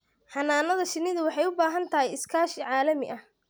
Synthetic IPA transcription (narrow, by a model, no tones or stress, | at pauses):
hɐnaːnɐðɐʃɪnɪðʊwɑħɑjʊbaːɦɐnt̪ʰɐɦɛjɪskʰaːʃɪʕɑːlɐmɪ̰ʔɐh